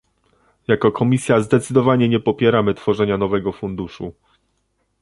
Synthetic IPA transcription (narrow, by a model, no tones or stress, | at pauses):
jakɔkʰɔmʲisʲjazd̪ɛt̪sɘd̪ɔvaɲɛɲɛpɔpʲjɛɾamɘt̪fɔʐɛɲanɔvɛɡɔfund̪uʂṵ